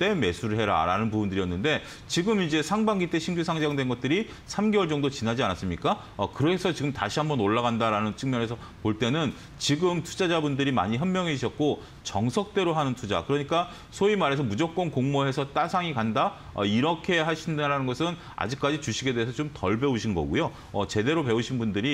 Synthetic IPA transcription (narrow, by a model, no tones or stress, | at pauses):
t͈e̞me̞sʰuɾɯɭɦe̞ɾa̰ɾa̰nɯnpubundɯɾiʌnːɯnde̞ | t͡ɕiɡɯmid͡ʑe̞sʰaŋbaŋɡit͈e̞ɕʰind͡ʑusʰaŋd͡ʑaŋdwe̞nɡʌt̚t͈ɯɾi | sʰamɡewʌɭt͡ɕʌŋdot͡ɕinad͡ʑianas͈ɯmɲik͈a | ʌkɯɾesʰʌt͡ɕiɡɯmtaɕʰiɦambʌnoɭːaɡɣandaɾanɯnt͡ɕʰɯŋmjʌɾɦe̞sʰʌ | poɭt͈e̞nɯn | t͡ɕiɡɯmtʰud͡ʑad͡ʑabundɯɾima̰ɲiɦʌnmːjʌŋeiɕʰʌt̚k͈o | t͡ɕʌŋsʰʌk̚t͈e̞ɾoɦanɯntʰud͡ʑa̰kɯɾʌɲik͈a | sʰoimaɾe̞s̬ʰʌmud͡ʑʌk̚k͈ʌnkoŋmoɦe̞sʰʌt͈asʰaŋikanda | ʌ̰iɾʌkʰe̞ɦaɕʰindɾanɯnɡʌsʰɯn | a̰d͡ʑik͈̚ad͡ʑit͡ɕuɕʰiɡe̞deesʰʌt͡ɕomtʌɭbe̞uɕʰinɡʌ̰ɡṵjo | ʌt͡ɕe̞de̞ɾope̞uɕʰinbundɯɾi